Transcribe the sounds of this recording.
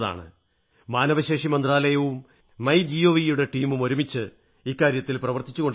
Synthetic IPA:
ða̰ːɳɨ̰ | maːnɐʋɐɕe̞ːʂimɐnd̪raːlɐjɐʋumː | ɐjd͡ʑijoːʋijuɽe̞ʈiːmumo̞ɾumit͡ɕːɨ | iːkːaːɾjɐt̪ːilprɐʋɐrt̪it͡ɕːuɣo̞ɳɖ

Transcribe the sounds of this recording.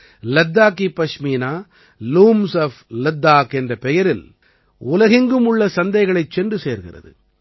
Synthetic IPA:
lɐd̪ːaːkːipɐʂmiːnaː | luːmsɐflɛd̪ːaːkɛndrɐpɛjɐɾɪl | ʊlɐɣɪŋɡɯmʊɭːɐsɐnd̪ɐɪɣɐɭɐɪt͡ʃːɛndrɯseːɾɣɪ̰rɐ̰ðɯ̰

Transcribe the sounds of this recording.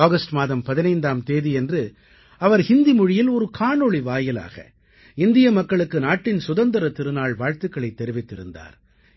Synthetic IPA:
aːɣɐsʈmaːðɐmpɐðɪnɐɪnd̪aːmt̪eːðiɛndrɯ | ɐʋɐɾhɪnd̪imɔɻɪjɪlɔɾɯkʰaːɳɔɭiʋaːjɪla̰ːɣɐ̰ | ɪnd̪ɪjɐmɐkːɐɭɯkːɯnaːʈːɪnsʊðɐnd̪ɐɾɐt̪ɪɾɯnaːɭʋaːɻt̪ɯkːɐɭɐɪt̪ːɛɾɪʋɪt̪ːɪɾɯnd̪a̰ːɾ

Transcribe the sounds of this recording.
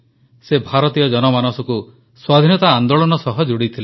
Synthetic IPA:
sebʱaɾɔt̪ijɔd͡ʒɔnɔmanɔsɔku | swad̪ʱinɔt̪aːnd̪oɭɔnɔsɔɦɔd͡ʒuɽit̪ʰile

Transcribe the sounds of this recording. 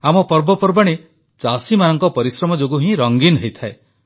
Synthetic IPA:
amɔpɔɾbɔpɔɾbaɽ̃i | t͡ʃasimanɔŋkɔpɔɾisɾɔmɔd͡ʒoɡuɦĩɾɔŋɡinɦejt̪ʰae

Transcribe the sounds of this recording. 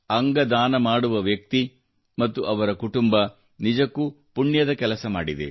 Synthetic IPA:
ɐŋɡɐd̪aːnɐmaːɽuʋɐʋjɐk̚t̪i | mɐt̪ːuʔɐʋɐɾɐkuʈumbɐ | nid͡ʒɐkːu | puɳjɐd̪ɐkɛlɐsɐma̰ːɽid̪ḛ

